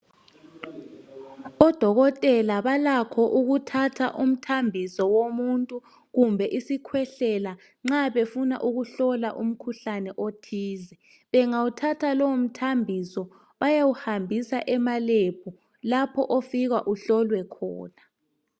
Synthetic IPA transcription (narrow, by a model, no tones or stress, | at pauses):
ɔd̥ʱɔɣɔtʼɛlaβalakʰɔʔuɣutʰatʰa̰ʔum̩tʰambʱisɔwomuntʼu | ɣumbʱɛʔisikʰwɛɬɛla | ŋ͡ǁaβefuna̰ʔuɣuɬɔlaʔum̩kʰuɬanɛʔotʰiːzɛ | βɛŋawutʰatʰalɔwom̩tʰambʱisɔ | βajawuhambʱisaʔɛmalep̚ʰu | lapʰɔʔofiɣa̰ʔuɬɔlwɛkʰɔ̰ːna